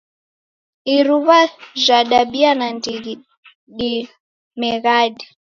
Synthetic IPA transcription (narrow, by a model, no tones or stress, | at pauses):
iɾuβaʒʷaɗaɓianandiɣi | ɗi | mɛɣaɗi